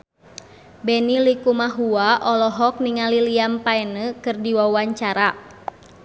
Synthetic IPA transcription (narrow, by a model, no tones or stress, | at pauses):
bɛnilikumaɦuaʔɔlɔɦɔk̚niŋaliliampaɛnəkɨrdiwawaɲt͡ʃaɾa